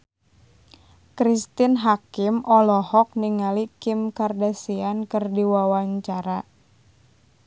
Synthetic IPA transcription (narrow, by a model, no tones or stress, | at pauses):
kɾist̪ɪnɦakɪmʔɔlɔhɔk̚niŋalikɪmkardasiankɨrdiwawaɲt͡ʃaɾa